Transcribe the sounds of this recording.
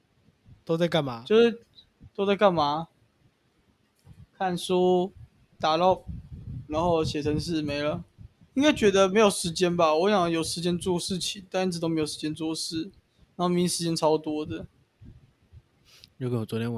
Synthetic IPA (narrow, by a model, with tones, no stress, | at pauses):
t̪o˥ʊt͡sa˥˧ɪka˥˩nma˨˥t͡ɕo˥˧ʊʂɻ̩˥˧ | t̪o˥ʊt͡sa˥˧ɪka˥˩nma˨˧˥ | kʰa˥˨nsu˦ | t̪a˨˩lɑ˥˩ʊna˧˥nxo˥˧ʊɕjɛ˨˩tʰə˧˥ŋʂ̬ɻ̩˥˩me˧˥ɪlə˦ | i˥ŋka˥ɪt͡ɕɥɛ˧˥d̪ə˧me˧˥ɪjo˨˩ʊʂɻ̩˧˥t͡ɕjɛ˥nba˨wɔ˧˦ɕɑ˨˦ŋjo˨˩ʊʂɻ̩˧˥t͡ɕjɛ˥nt͡swɔ˥˧ʂɻ̩˥˩t͡ɕʰi˨˩ŋt̪a˥˧˥ʈ͡ʂ̬̩̪˨˩o˥me˧˥jo˨˩ʂɻ̩˧t͡ɕjɛ˥nt͡swɔ˥˧ʂɻ̩˥˩ | na˧˥o˥˩mi˧˥ŋʂɻ̩˧˥t͡ɕjɛ˥nʈ͡ʂʰɑ˥ʊ˧t̪wɔ˥d̪ə˨ | jo˥˩kʰe˥nwɔ˨˩wɔ˧˦t̪jɛ˥˨w